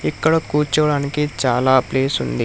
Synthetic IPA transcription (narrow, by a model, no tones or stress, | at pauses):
ikːɐɽɐkuːt͡ʃːɐʋɐɽaːnikit͡ʃaːlaːɐpleːsund̪i